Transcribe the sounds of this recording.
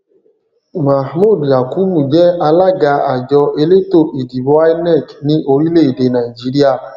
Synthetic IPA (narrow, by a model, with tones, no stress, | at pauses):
ma˨hmu˦˨dja˨ku˨˦bu˨d͡ʒɛ˦a˧la˦ɡa˧˦a˨d͡ʒɔ˧e˧le˦to˦˨ʔi˨di˨bo˧a˦nɛ˦˨knĩ˦ʔo˧ɾi˦le˦˨i˨de˨˦na˨i˨d͡ʒi˨˦ɾi˦a˦˨